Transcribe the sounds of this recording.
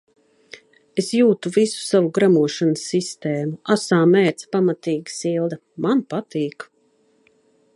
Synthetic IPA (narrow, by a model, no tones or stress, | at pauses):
esjuːt̪uvisu̥savuɡɾamuɔʃansːist̪eːmuasaːmɛːt̪spamat̪iːɡisilˠd̪a | manpat̪iːk